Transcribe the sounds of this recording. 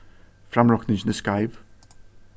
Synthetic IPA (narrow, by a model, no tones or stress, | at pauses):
fɾamɹɔknɪd͡ʒnəskaɪv